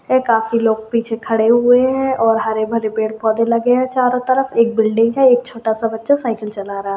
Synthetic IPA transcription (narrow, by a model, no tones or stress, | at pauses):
ɦɛ̃kaːfiloːɡ̚piːt͡ʃʰekʰɐɽeɦʊeɦɛ̃ʔɔːɾɦaːɾebʱɐɾepeːɽpɔːd̪elɐɡeɛ̃t͡ʃaːɾõt̪ɐɾəfeːk̚bɪlɖɪ̃ŋɡɦɛ̃eːk̚t͡ʃʰoːʈasabɐtːʃasaːɪkəlt͡ʃɐlaɾaɦa